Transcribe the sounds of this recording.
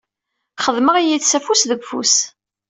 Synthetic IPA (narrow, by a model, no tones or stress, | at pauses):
χəðˤməʁijiθsæfusðəɡʷfṵs